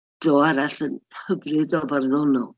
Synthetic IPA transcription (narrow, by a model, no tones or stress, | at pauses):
d̥ɔaɾaɬənhəbrɪdɔbarðɔnɔl